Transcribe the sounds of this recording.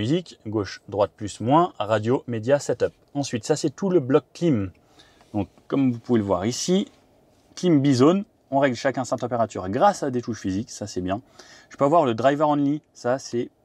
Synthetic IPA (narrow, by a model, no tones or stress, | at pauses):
myzikɡoʃd̪ʁwat̪̚plysmwɛ̃ʁad̪jomed̪jasɛt̪œp̚ɑ̃sɥit̪sasɛt̪uləblɔkːlim | d̪ɔ̃kːɔmvupuveləvwa̰ʁisi | klimbizon | ɔ̃ʁɛɡlʃakʲɛ̃sat̪ɑ̃peʁat̪y̰ʁɡʁasad̪et̪uʃfiziksasɛbjɛ̃ | ʒə̥pøavwaʁləd̪ʁajvɛʁɑ̃lisasɛ